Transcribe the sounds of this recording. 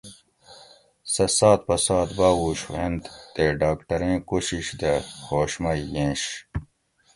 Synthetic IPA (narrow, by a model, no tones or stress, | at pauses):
sɐsaːt̪̚pɐsaːt̪baːwuːɕwend̪t̪eɖaːkʈɐɾẽːkuɕiɕd̪ɐhoːɕmɐjːẽːɕ